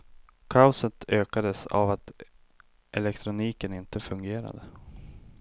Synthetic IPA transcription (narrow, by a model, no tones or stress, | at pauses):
kʰaʊsət̪ʰøːkad̪əsa̰vat̪ | ʔɛlɛkt̪ʰɾʊniːkənɪnt̪əfɵŋɡeːɾa̰d̪ə